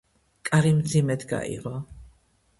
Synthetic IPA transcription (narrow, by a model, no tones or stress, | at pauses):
kʼaɾimd̪zimɛd̪ɡa̰ḭʁɔ